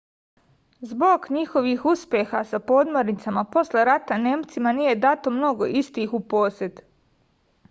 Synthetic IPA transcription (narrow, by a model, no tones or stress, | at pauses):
zbo̞ɡɲixo̞ʋiːxuspjexasapo̞ːd̪moɾnit̪samapo̞sle̞ɾat̪ane̞ːmt̪simanije̞d̪at̪o̞mno̞ɡo̞̰ʔist̪iːxupo̞ːset̪